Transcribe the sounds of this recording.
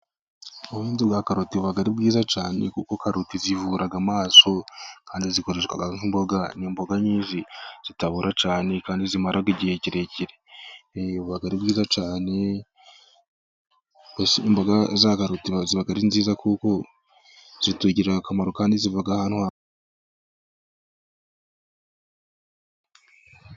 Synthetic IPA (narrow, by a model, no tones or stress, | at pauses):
uwiːnziɡwakaɾutiuβaɡaɾib̚ɡiːzat͡ʃaːnḛkuko̞kaɾutizivuɾaɡamaːso̞kaːndiziko̞ɾeʃwa̰ɡaŋhimbo̞ɡaniːmbo̞ɡaɲiːnʒiz̥itaβuɾʔat͡ʃaːne̞kaːndizimaɾaɡiɟihe̞ciɾe̞ciɾe | uβaɡaɾibɡiːzat͡ʃaːne̞ | esiimbo̞ɡazaɡaɾutiβaziβaɡaɾinziːzakuko̞ | z̥ituɟiɾakamaɾo̞kaːndizivaɡahanhwa